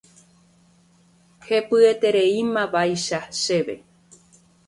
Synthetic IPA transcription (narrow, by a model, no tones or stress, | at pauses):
he̞pɨe̞t̪e̞ɾe̞imãʋajʃaʃe̞ʋe̞̰